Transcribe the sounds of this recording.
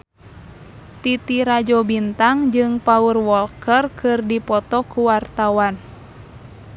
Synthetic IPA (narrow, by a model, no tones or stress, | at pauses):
t̪it̪iɾad͡ʒɔbint̪aŋd͡ʒɨŋpaurwɔlkərkʰɨrdipɔt̪ɔkuwart̪awan